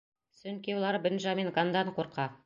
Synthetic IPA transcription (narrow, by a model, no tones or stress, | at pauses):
sɵ̆nkʲewlˠɑɾəbɵ̆nʒɑmeŋɡand̪ɑɴqʰoɾqɑ